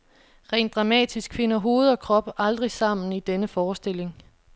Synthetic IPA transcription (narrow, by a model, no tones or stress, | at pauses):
ʁɛ̰ːnd̥ʁɑ̈mɛ̰ːd̥isɡ̥fe̝nɐɦo̝ːð̞̩ˠɒ̽kʰʁɒ̽b̥ɑ̈ld̥ʁisɑ̈m̰n̩id̥enəfɒːsd̥e̝l̰e̝ŋ